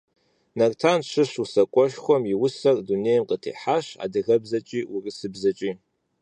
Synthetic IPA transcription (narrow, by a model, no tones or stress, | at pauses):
nɐrtʰanʂʰɨʂusɐkʷʼɔʃχʷɔmjiwʊsɐrdunejmqətʰḛħaɕa̰dɨɣɐbzɐt͡ʃʼiːʔurɨsɨbzɐt͡ʃʼi